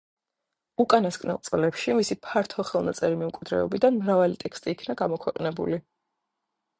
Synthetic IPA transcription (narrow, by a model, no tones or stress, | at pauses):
ukʼanaskʼnɛ̰lˠt̪sʼlɛpʃimisipʰaɾt̪ʰɔχɛlˠnat̪sʼɛɾimɛmkʼwid̪ɾɛ̰ɔbid̪anmɾavalit̪ʼɛkst̪ʼiːkʰnaɡamɔkʰwɛqʼnɛbṵli